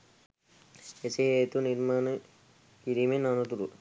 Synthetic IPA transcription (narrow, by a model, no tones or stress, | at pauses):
eseeːt̪uniɾmaːnə | kiɾiːmenanut̪uɾu